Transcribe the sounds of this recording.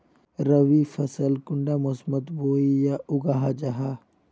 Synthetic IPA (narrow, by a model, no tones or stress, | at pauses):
ɾəʋifʰɐsəlkʊɳɖamosmət̪boːijaʔʊɡaɦad͡ʒaɦa